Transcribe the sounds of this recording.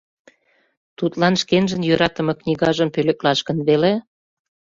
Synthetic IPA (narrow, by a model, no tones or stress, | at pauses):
t̪ut̪lɑnʃkenʒə̆njøɾɑt̪ə̆mɤ̆knʲiɣɑʒəmpølĕklɑʃkə̆nβele